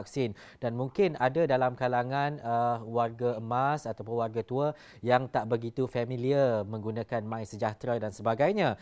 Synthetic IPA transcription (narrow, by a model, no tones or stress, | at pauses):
k̚sɪn | d̥anmũŋkɪnadadalamkalaŋãnəwarɡaəmasat̪awpʊnwarɡat̪uə | jaŋt̪aʔbəɡit̪ufamĩliəmə̃ŋɡunãkanmãɪnsəd͡ʒat̪ɾadansəbaɡajɲã